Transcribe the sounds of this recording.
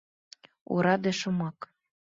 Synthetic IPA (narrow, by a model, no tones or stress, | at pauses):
ṵɾɑd̪eʃŏmɑk